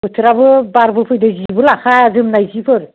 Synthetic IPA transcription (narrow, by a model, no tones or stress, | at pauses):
bɯt̪ʰɾabɯbaɾbɯpʰɯjd̪ɯzibɯlakʰazɯmnajzipʰɯɾ